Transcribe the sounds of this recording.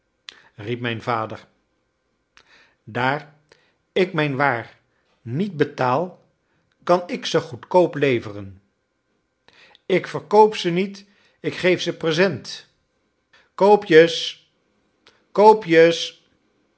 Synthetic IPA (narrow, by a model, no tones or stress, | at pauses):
rip̚mɛjnvaːdə̰ɹ | daːɹ | ɪkmɛjnʋaːɹ | nit̚bətaːlˠ | kɑnɪksəχutkowplejvərən | ɪkfəɹkowpsənit | ɪkχejfsəprəzɛnt | kowpjəs | kowpjəs